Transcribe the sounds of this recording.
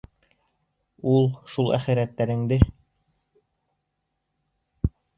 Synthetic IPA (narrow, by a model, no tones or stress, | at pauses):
ulˠʃulˠæ̰χɘ̆ɾæt̪ːæɾɘ̆ŋd̪ɘ